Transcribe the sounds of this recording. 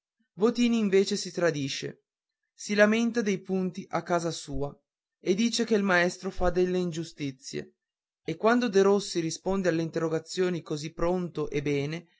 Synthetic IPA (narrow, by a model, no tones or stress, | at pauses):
vot̪iːniːɱveːt͡ʃesit̪ɾad̪iːʃḛ | silament̪ad̪ejpunt̪iʔakːaːzasuːa | ed̪iːt͡ʃekeilmaɛst̪ɾofad̪elːeind͡ʒust̪it̪sːjḛ | ekːwand̪od̪eɾosːiɾispond̪ealːeint̪erːoɡat̪sːjoːnikozipːɾont̪oʔebɛːne